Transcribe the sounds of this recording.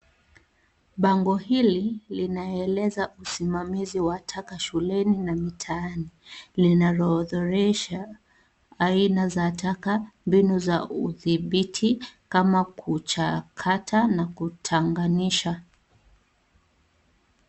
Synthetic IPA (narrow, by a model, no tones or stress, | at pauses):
ɓaŋɡɔhililinaɛlɛzaʔusimamiziwatʰakaʃulɛninamitʰaanilinalɔðɔɾɛʃa | ainazatʰakambinuzaṵðiɓitʰikamakʰut͡ʃakʰatʰanakutʰaŋɡaniʃa